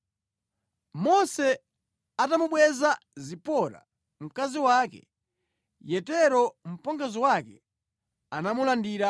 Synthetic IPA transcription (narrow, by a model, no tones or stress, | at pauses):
mɔsɛ | atamuɓwɛzazipɔɾa̰ | m̩kaziwaːkɛ̰ | jɛtɛɾɔm̩pɔŋɡaziwakɛ | anamulandiːɾa